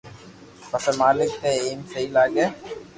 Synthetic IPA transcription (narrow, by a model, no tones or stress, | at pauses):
pɐsemaːlɪk̚t̪eeːmsɐilaːɡeː